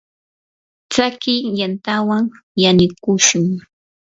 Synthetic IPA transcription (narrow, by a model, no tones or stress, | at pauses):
t͡sakɪjant̪awaŋ | janɪkʊʃʊŋ